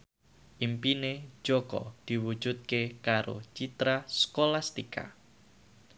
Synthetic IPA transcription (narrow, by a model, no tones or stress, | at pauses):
ʔimpine̥d͡ʒ̥okɔ̰d̪̥i̤wu̥ʒ̥ut̪̚kekaɾo̰t͡ʃit̪ɾaskolast̪ika̰